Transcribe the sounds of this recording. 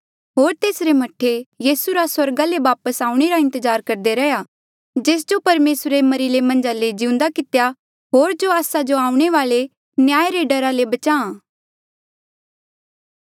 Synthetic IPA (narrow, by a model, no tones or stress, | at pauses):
ɦoːɾt̪eːsɾemɐʈʰejiːsuɾaswɐɾɡaleʋaːpəsaːũɽ̃eɾaɪ̃nt̪əzaːɾkɐɾd̪eɾɛja | d͡ʒeːs̬d͡ʒopɐɾmeːsɾemɐɾilemɐ̃nd͡ʒaled͡ʒɪʊ̃nd̪akɪt̪eja | ɦoːɾd͡ʒoaːsad͡ʒoaːũɽ̃eʋaːɭe | njaːeɾeɖɐɾalebɐt͡ʃaːã